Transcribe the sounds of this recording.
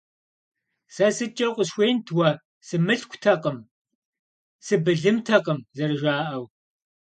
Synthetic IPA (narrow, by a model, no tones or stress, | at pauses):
sɐsɨt͡ʃʼɐqʷʊɕxʷeːjntʰwɐ | sɨmɨɬkʷʰtʰɐqʼəm | sɨbɨɮɨmtʰɐqəmzɐrɨʒaːʔɐw